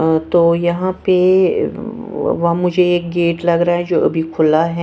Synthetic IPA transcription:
t̪oːjɐɦãpe | ʋɐɦãmʊd͡ʒʱeeːk̚ɡeːʈlɐɡɾaaɦɛd͡ʒoːɐ̰bʱikʰʊlaɦɛ

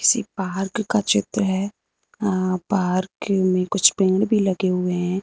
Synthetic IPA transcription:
kɪ̥sḭpaːɾkkːat͡ʃɪt̪ɾəɦɛː | paːɾkmẽkʊt͡ʃʰpẽːɽbʱilɐɡeɦʊeɦɛ̃ː

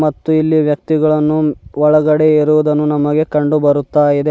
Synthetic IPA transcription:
mɐt̪ːuilːiʋjɐk̚t̪iɡɐɭɐnːuɔɭɐɡɐɽe̞iɾuʋud̪ɐnːunɐmɐɡe̞kɐɳɖubɐɾut̪ːaːjid̪e

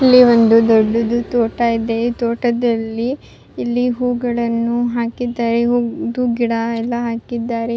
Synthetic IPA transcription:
ilːiʋo̞nd̪ud̪oɖːud̪ut̪oːʈaid̪et̪oːʈɐd̪ɐlːiː | lːiɦuːɡɐɭɐnːuɦaːkid̪ːaːɾeɦuːd̪uɡiɽɐɛlːɐɦaːkid̪ːaːɾe

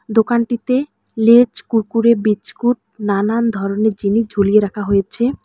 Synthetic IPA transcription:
d̪okanʈit̪e | let͡ɕkuɾkuɾebit͡ɕkuʈ̚ | nanand̪ʱɔɾoneɾd͡ʑinid͡ʑʱolieɾakʰaɦojet͡ɕʰe

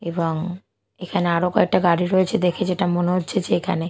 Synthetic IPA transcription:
eboŋ | ekʰaneaɾokɔek̚ʈaɡaɽiɾoet͡ɕʰed̪ekʰed͡ʑeʈamoneɦotːɕʰed͡ʑeekʰa̰ne

